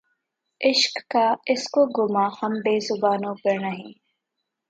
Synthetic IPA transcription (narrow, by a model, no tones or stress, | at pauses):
ʔɪʃkːaːɪskoɡʊmaːhɐmbeːzʊbaːnõːbəɾnɐɦĩː